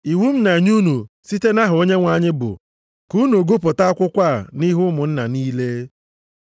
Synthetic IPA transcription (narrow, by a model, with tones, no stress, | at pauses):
i˨wu˦m̩˦na˨ɲu˦nu˨ | si˦te˦na˦ɦʊ˨o˦ɲe˦ŋʷa˨ɲɪ˦bʊ̰˨ | ku˦nu˨o˨ɡo˦pʊ˨ta˦kʷʊ˦kʷa˦˨ni˦ɦʊ˦mʊ˨n̩˦na˨niː˦le˦